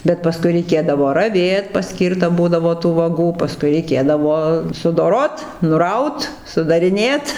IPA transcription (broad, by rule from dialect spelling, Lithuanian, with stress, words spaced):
bʲɛt pɐˈskʊɪ rʲɛɪˈkʲeːdɐʋoː rɐˈʋʲeːt pɐˈsʲkʲiːrtɐ ˈbuːdɐʋoː tuː ʋɐˈɡuː pɐˈskʊɪ rʲɛɪˈkʲeːdɐʋoː sʊdoːˈroːt nʊˈrɐʊt sʊdɐrʲɪˈnʲeːt